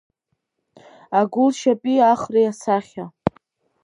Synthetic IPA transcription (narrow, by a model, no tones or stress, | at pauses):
aɡʊlʃapʼiaχriasaχʲa